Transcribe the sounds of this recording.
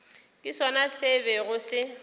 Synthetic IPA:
kʼɪsɔnasɪbɛɣʊsɪ

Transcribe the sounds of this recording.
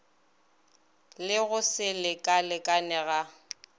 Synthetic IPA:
lɪɣʊsɪlɪkʼalɪkʼanɛɣa

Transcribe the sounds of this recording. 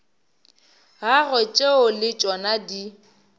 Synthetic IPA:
ɣaɣɔt͡ʃʼeʊlɪt͡ʃʼɔnadi

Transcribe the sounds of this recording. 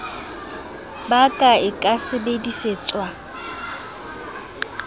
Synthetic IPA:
bakʼaɪkʼasɪbediseːt͡sʼwa

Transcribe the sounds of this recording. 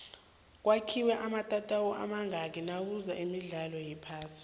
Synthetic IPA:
k̬wakʰiwɛʔamatʼatʼawɔʔa̰maŋak̬ʼinak̬uzaʔimiɮalɔjipʰaːsi̥

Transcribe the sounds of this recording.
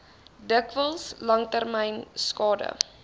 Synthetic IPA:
dəkvəlˠslɐŋtærmɛjnskɑːdə̰

